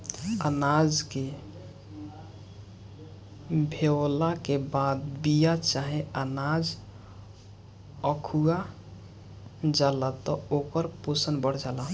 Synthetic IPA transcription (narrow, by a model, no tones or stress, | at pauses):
ənad͡ʒke | bʱewlakebad̪bijat͡ʃaɦeənad͡ʒ | əkʰua | d͡ʒalat̪ɔokəɾposənbəɽ̤d͡ʒala